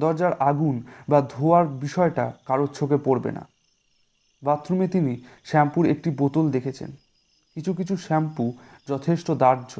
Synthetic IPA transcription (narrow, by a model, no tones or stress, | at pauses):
d̪ɔɾd͡ʑaɾaɡunbad̪ʱoaɾbiʃɔeʈa̰kaɾot͡ɕʰokepoɾbḛna̰ | bat̪ːɾumet̪iniʃɛmpuɾek̚ʈibot̪old̪ekʰet͡ɕʰḛn | kit͡ɕʰuk̬it͡ɕʰuʃɛmpud͡ʑɔt̪ʰeʃʈod̪aɾd͡ʑo